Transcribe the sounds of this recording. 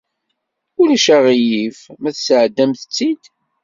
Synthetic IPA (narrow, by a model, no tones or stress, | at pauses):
ʊlæʃæʁijifmæθsəʕd̪ːæmθət͡sːid̪